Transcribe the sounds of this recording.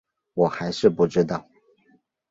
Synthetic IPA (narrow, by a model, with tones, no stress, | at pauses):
wɔ˨˩xa˧˥ɪʂɻ̩˥˧pu˥˩ʈ͡ʂɻ̩˥t̪ɑ˥˩ʊ